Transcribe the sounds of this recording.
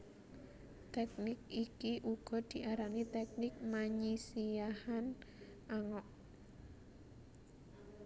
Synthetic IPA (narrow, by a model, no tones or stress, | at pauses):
t̪ɛk̚nɪk̚ikiʔuɡ̥ɔ̤d̪̥i̤ʔaɾanit̪ɛk̚nɪk̚maɲisiahan | ʔaŋɔʔ